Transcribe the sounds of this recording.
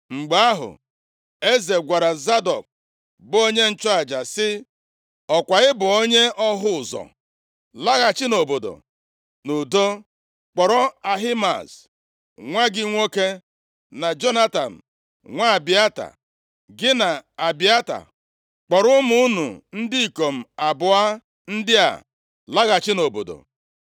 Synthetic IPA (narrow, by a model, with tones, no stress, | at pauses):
ŋ͡m̩˨ɡ͡ba˨a˦ɦʊ̰˨ | e˦ze˨ɡʷa˨ɾa˨za˦dɔ˨k̚ | bʊ˨˦o˦ɲe˦n̩˦t͡ʃɔ˦a˨d͡ʒa˨sɪ˦ | ɔ˨kʷa˨ɣɪ˦bʊ˨o˦ɲe˦ʔɔ˦ɦʊ˦ʊ˨zɔ̰˨ | la˦ɣa˨t͡ʃɪ˦no˨bo˨do̰˨ | nu˨do˦ | k͡pɔ˨ɾɔ˦a˨ɦi˦ma̰˨s | ŋʷa˦ɡɪ˦ŋʷo˦ke˦ | na˨d͡ʒo˦na˦ta˨n̩˨ | ŋʷa˦˨bɪ˨a˦ta̰˨ | ɡɪ˦na˨a˨bi˨a˦ta̰˨ | k͡pɔ˨ɾʊ˦mu˦u˦nṵ˨n̩˦dɪ˦i˨ko˨m̩˨a˨bʊ˨a˦ | n̩˦dɪ˦a̰˨ | la˦ɣa˨t͡ʃɪ˦no˨bo̰˨do̰˨